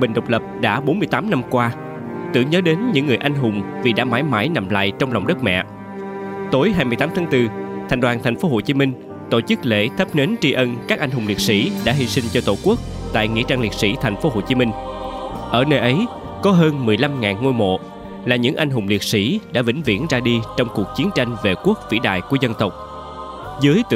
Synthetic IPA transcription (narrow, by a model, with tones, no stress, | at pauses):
ɓï˨˩ŋ̟ɗə˨˩wk͡p̚lə˨˩p̚ɗa̰ː˧˥ɓo˨˦nmɨ˧jt̪aː˨˦mna˧mkwaː˧ | t̪ɨ̰˧əŋɲəː˨˦ɗe˨˦nɲɨ̰˧˥ŋːɨ˨˩əjʔa˧jŋ̟ɦʊ˨˩ŋ͡mvi˨˩ɗa̰ː˧˥maː˨˦jmaː˨˦jna̰˨mla̰ː˧˨jt͡ɕɔ˧wŋ͡mlɔ˨˩wŋ͡mɗə˦˥t̚mɛ̰˧˨ | t̪o˨˦jɦaː˧jmɨ˧jt̪aː˨˦mt̪ʰːŋt̪ɨ˧t̪ʰɛ˨˩ŋɗwaː˨˩nt̪ʰɛ˨˩jŋ̟fo˨˦ɦo˧˩t͡ɕi˨˦mï˧ŋ̟ | t̪o̰˧˩t͡ɕɨ˦˥k̚lḛ˧˥t̪ʰə˦˥p̚ne˨˦nt͡ɕi˧ʔə˧nkaː˦˥k̚a˧jŋ̟ɦʊ˨˩ŋ͡mli˨˩t̚sḭ˧˥ɗa̰ː˧˥˦ɦi˧sï˧ŋ̟t͡ɕɔ˧t̪o˧˩ku˦˥ək̚ | t̪a̰ː˧˨jŋḭ˧˥ət͡ɕaː˧ŋli˨˩əsḭ˧˥t̪ʰa˨˩jŋ̟fo˨˦ɦo˧˩t͡ɕi˨˦mï˧ŋ̟ | ʔəː˧˩nəː˧jʔə˨˦j | kɔ˨˦ɦəː˧nmɨ˨˩əjla˧mŋaː˨˩nŋo˧jmo̰˧˨ | laː˨˩ɲɨ̰˧˥ŋʔa˧jŋ̟ɦʊ˨˩ŋ͡mli˨˩t̚sḭ˧˥ɗa̰ː˧˥vḭ˧˥ŋ̟vḭ˧˥ənzaː˧ɗi˧t͡ɕɔ˧wŋ͡mku˨˩ək̚t͡ɕi˨˦ənt͡ɕa˧jŋ̟ve˨˩ku˦˥ək̚vḭ˧˥ɗa̰ː˧˨jku˧˩əzə˧nt̪ə˨˩wk͡p̚ | zɨ˨˦jt̪ɨ̰˧